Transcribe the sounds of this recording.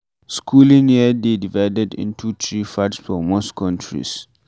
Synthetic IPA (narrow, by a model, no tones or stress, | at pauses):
skʰulĩnjɛdedivaɪdɛdɪ̰̃ntʰut̪ʰɹifadsfɔmostkʰɔ̃ntʰɹḭs